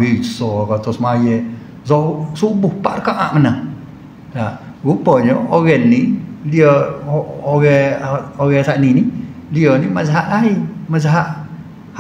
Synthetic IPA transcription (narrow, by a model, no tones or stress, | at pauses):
isɔkat̪ɔsmajɛʔ | sɔuʔsubuhpaʔrəkaʔa̰ʔmanəh | la | ɡupɔɲɔoɣɛnːiliɔ | oɣɛoɣɛsaʔniniliɔnimazaɦaʔlaimazaɦaʔ | h